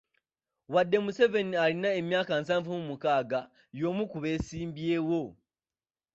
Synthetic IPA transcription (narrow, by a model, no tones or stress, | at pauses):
wadːe̞muse̞ve̞nialinae̞mjaːkansaːɱvumumukaːɡa | jo̞ːmukuβe̞ːsiːmbjeːwo̞